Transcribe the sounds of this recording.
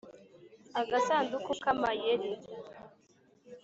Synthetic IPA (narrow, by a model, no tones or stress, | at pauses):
aɡasaːndukukamajeɾi